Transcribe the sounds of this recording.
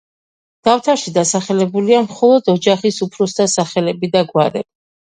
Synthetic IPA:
d̪̥aft̪ʰaɾʃid̪asaχɛlɛbuliamχɔlˠɔd̪ɔd͡ʒaχisupʰɾɔsd̪asaχɛlɛbid̪aɡwaɾɛ̰b̥i

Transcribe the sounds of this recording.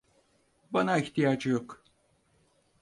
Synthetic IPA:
banaiçt̪ijaːd͡ʒɯjok

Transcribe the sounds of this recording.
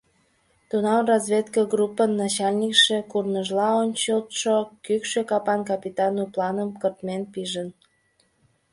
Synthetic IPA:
t̪unɑmrɑzβʲet̪kəɡrupːənːɑt͡ɕɑlʲnʲikʃekurnəʒlɑonʲt͡ɕolt̪ʃokykʃekɑpɑnkɑpʲit̪ɑnuplɑnəmkərt̪menpiʒən

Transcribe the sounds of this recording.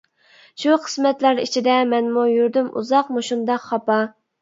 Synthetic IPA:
ʃuqʰə̥smɛt̪læɾit͡ʃʰid̪ɛmɛnmujyɾd̪ymṵzɑqmuʃund̪ɑqχɑpɑ

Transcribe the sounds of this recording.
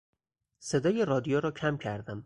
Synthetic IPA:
se̞d̪ɒːjeɾɒːd̪ijoɾɒːcʰæmcʰæɾd̪æm

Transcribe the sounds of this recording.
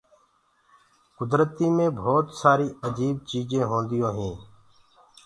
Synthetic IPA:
kʊd̪ɾət̪iːmẽːbʱoːt̪saːɾiːəd͡ʒiːb̚t͡ʃiːd͡ʒẽːɦõːnd̪ɪjõːɦẽː

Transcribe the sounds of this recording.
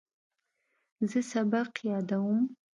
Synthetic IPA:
zɨsabaqʰjadawm

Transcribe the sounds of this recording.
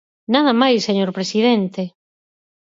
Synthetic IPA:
naðɐmajsːeɲoɾpɾesiðɛnt̪e

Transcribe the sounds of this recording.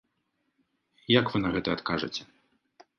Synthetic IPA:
jakvɨnɐɣɛt̪ɐːt̪kaʐɐt͡sʲɛ

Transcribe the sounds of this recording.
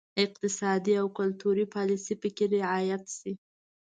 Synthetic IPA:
ɪq̚t̪ɪsɑd̪iawkʊlt̪uɾipɑlisipəkeɾɪʕɑjat̪si

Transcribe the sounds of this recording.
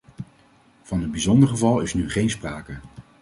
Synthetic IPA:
v̥ɑnəd̚bizɔndəɹχəvɑlˠɪsnyχejnspraːkə

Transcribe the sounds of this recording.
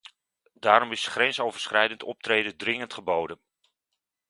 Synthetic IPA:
daːɾɔmɪsχrɛnsowvəɹsχrɛjdəntʰɔ̰p̚trejdədrɪŋəntχəbowdən

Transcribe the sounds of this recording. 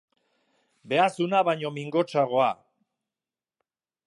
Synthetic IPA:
be̞asunaβaɲo̞miŋɡo̞t͡ʃaɣo̞a

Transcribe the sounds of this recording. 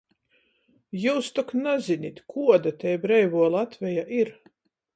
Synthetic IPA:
juːst̪uknazʲinʲit̪ʲkʰuɔd̪at̪ɛjbɾɛjvuɔlˠat̪vʲɛjaʔiɾ

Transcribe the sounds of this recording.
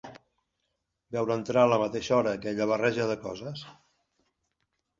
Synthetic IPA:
bɛwɾənt̪ɾaələmət̪eʃɔɾəːkɛʎəβ̞ərɛʒəðəkɔzəs

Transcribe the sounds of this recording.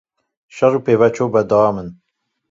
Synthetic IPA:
ʃɛɾupeːvɛt͡ʃʰobɛd̪ɑɑːmɨn

